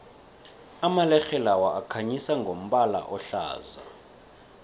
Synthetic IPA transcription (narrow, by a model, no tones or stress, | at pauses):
amalɛxɛlawaʔakʰaɲisaŋɡʱom̩ɓala̰ʔɔɬa̰ːza̰